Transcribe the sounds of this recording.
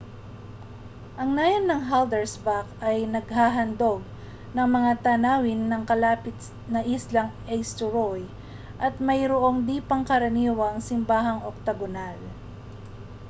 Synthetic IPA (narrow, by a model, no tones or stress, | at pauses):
ʔɐŋnaːjonːɐŋɦald̪ɛɹsbakɐjnɐɡɦaːɦɐnd̪o̞ɡ̚ | nɐŋmɐŋat̪anaːwɪnːɐŋkɐlaːpɪt̪̚ | nɐʔɪslɐŋ | ɛjst̪ʊɾoj | ʔɐt̪̚mɐjɾoʔo̞ŋd̪iːpɐŋkɐɾɐniwɐŋsɪmbaːɦɐŋʔok̚t̪ɐɡonal